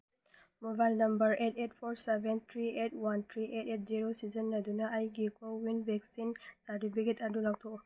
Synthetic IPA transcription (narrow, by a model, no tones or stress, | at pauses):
mɔbajlnɐmbəɹetet̚pʰɔɹsɛbɛnt̪ʰɹietʰwantʰɹiʔetet̚ziɹosizɔnːadunaʔajɡikɔwinbɛksinsadibiɡɛtadulak̚tʰɔ